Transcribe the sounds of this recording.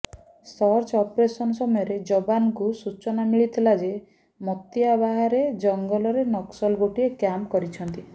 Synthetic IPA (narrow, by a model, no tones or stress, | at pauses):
sɔɾt͡ʃɔpɾesɔnɔsɔmɔjɔɾed͡ʒɔbanɔkusut͡ʃɔnamiɭit̪ʰilad͡ʒe | mɔt̪iabaɦaɾed͡ʒɔŋɡɔlɔɾenɔksɔlɡoʈiekjamkɔɾit͡ʃʰɔnt̪i